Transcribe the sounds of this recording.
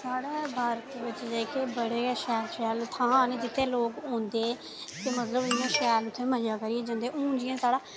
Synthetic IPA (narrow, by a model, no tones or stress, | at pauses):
saːɽeːbʱaːɾt̪ːʋɪt͡ʃd͡ʒeːkeːbəɽeːʃɛːlʃɛːlt̪ʰãːnːd͡ʒɪt̪ʰːẽːloːkõːnd̪eː | t̪eːmət̪ləbɪãːʃɛːlʊt̪ʰːẽːməjaːkəɾieːd͡ʒə̃nd̪eːʔũːd͡ʒɪjãːsaːɽaː